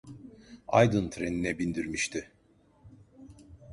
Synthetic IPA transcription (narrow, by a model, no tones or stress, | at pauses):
a̰jd̪ɯnt̪ʰɾeninɛbind̪iɾmiʃt̪ʰɪ